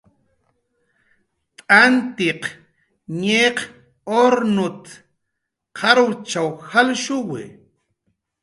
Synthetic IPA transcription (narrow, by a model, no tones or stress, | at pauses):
t̪ʼant̪iq | ɲeːq | oɾnʊt̪ | qʰaɾut͡ʃawxalʃuwɪ̰